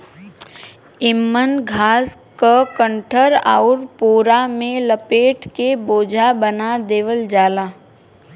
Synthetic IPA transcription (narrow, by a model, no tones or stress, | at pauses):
ɪmːənɡʱaːskakə̃ɳʈʰəɾa̰ːʊɾpoːɾamẽləpeːʈʰkeboːd͡ʒʱabənad̪eːʋəld͡ʒaːlaː